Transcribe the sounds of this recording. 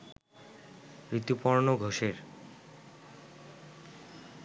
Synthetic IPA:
pɾit̪ːupoɾnoɡʱoʃeɾ

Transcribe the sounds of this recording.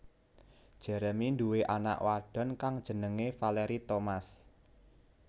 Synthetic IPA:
d̥ʒ̥ə̤ɾəminduweʔana̰ʔwaɖ̥ɔ̤nkaŋd̥ʒ̥ə̤nəŋefaleɾit̪omas

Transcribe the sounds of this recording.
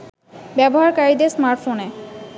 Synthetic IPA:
bɛboɦaɾkaɾid̪esmaɾʈfone

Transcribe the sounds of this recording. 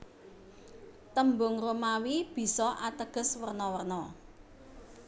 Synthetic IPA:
t̪əmbʊŋromawib̥i̤sɔʔat̪əɡ̥ə̤swərnɔwərnɔ

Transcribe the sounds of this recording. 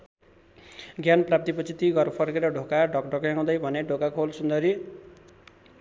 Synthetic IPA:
ɡjanprapt̪ipʌt͡sʰit̪iɡʌrpʰʌrkeɾʌɖʱokaɖʱʌkɖʱʌkjãw̃d̪ʌjbʱʌneɖʱokakʰolsund̪ʌɾi

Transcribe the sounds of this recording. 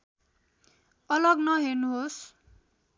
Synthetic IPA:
ʌlʌɡnʌɦernuɦos

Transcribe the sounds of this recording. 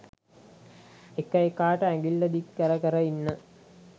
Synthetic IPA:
ekːɐjekaːʈəæŋɡilːɐd̪ikːəɾəkəɾɐinːə

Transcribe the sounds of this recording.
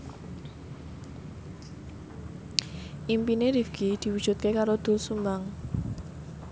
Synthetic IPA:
ʔimpineɾifɡ̥id̪̥i̤wud̥ʒ̥ṳt̪̚kekaɾod̪̥ʊ̤lsumaŋ

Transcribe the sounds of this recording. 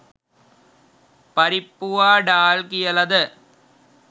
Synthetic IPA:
pɐɾɪpːʊʋaːɖaːlkɪjɐlɐðɐ

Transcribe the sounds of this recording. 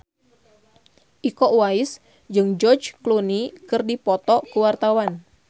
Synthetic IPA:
ʔikɔʔwaɪs | d͡ʒɨŋd͡ʒɔrd͡ʒklunikɨrdipɔt̪ɔʔkəwart̪awan

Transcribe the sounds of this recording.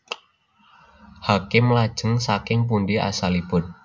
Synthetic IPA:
hakɪmlad̥ʒ̥ə̤ŋsakɪŋp̬unɖiʔa̰salib̥ʊ̤n

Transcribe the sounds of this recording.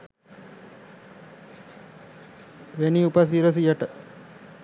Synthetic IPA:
ʋeniupas̬iːɾəs̬ijɐʈə

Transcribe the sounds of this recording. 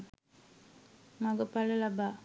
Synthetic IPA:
mɐɡɐpɐlɐlɐbaː

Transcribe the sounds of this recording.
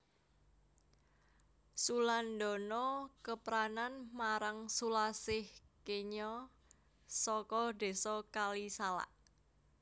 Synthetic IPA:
suland̪ɔ̤nɔkəpɾananmaɾaŋsulasɪhkeɲɔ | sɔkɔd̪̥e̤sɔkalisala̰ʔ

